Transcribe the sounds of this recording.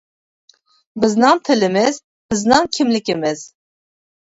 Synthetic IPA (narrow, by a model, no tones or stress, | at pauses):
bɨznɑnt̪ʰɨlɨmɛz | b̥ɨznɑŋkʰimlikʲimɛz̥